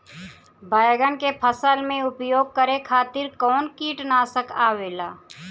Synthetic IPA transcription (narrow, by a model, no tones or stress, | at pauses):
baːjɡənkepʰəsəlmẽʊpjoːɡ̚kəɾekʰaːt̪ɪɾkɔːnkiːʈnaːsəkaːʋeːlaː